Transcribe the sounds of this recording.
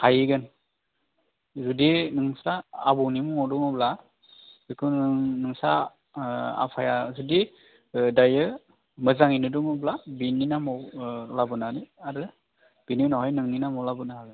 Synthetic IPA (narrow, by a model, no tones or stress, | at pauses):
hajiɡɯn | zudinɯŋsaːbɔwnimɯmɔwduŋɯbla | ikʰɯnnɯŋsa | a̰pʰajazudi | dajɯ | mɯzaŋinɯduŋɯblabinːinamɔwlabɯnaniaɾɯ | b̥inimnɔɦajnɯŋninamɔwlabɯnahaɡɯ